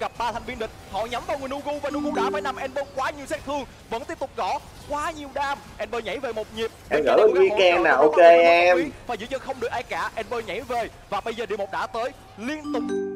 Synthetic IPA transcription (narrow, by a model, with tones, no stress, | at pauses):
ɣa˨˩p̚ɓaː˧t̪ʰa˨˩jŋ̟vi˧nɗï˨˩k̟̚hɔ̰˧˨ɲa˨˦mvaː˨˩wŋɨ˨˩nʔu˧ɣu˧vaː˨˩nu˧ɣu˧ɗaː˧˩faː˨˦jna˧mʔɛ˧mɓəː˧kwaː˨˦ɲi˨˩wsɛ˦˥t̚t̪ʰɨ˧əŋ | və̰˧˥nt̪i˦˥əp̚t̪ʊ˨˩k͡p̚ɣɔ˧˩ | kwaː˨˦ɲi˨˩əwɗaː˧m | ʔɛ˧mɓəː˧ɲa̰˧˩jve˨˩mo˨˩t̚ɲi˨˩əp̚ɗʔɛi˧˨˧mɣə̰ː˧˩jə˨˩wi˧˦kɛː˧nːaː˨˩ʔo˧ke˧ɛ˧faː˨˩jzɨ̰˧˥˦ɲə˧nxə˧wŋ͡mɗɨ˨˩ək̚aː˧jkaː˧˩ʔɛ˧mɓəː˧ɲa̰˧˥˦jve˨˩ | vaː˨˩ɓə˧jzəː˨˩ɗi˧˩mo˨˩t̚ɗa̰ː˧˥t̪əː˨˦j | li˧ənt̪ʊ˨˩k͡p̚